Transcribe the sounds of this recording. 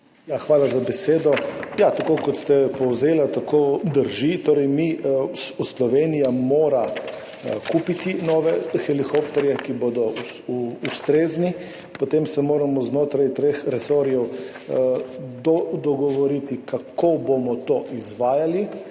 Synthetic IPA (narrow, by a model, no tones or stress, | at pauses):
jaxʋaːlazabɛseːd̪ɔjat̪akoːkɔt̪st̪ɛpɔwzeːlat̪akoːd̪əɾʒit̪oːɾɛjmisuslɔʋeːnijamoːɾa | kuːpit̪inɔːʋɛxɛlixoːpt̪ɛɾjɛkibod̪ɔuːst̪ɾeːzni | pɔt̪emsɛmoːɾamɔznoːt̪ɾajt̪ɾeːxɾɛsoːɾijɛw | d̪ɔd̪ɔɡɔʋɔɾit̪ikakobomɔt̪oːʔizʋaːjali